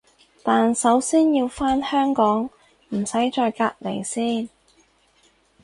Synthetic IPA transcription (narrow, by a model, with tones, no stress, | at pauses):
t̪aː˨nsɐ˨˥wsiː˥njiː˧wfaː˥nhœː˥ŋkɔː˨˥ŋ | m̩˨˩sɐ˨˥jt͡ʃɔː˧jkaː˧k̚le˨˩jsiː˥n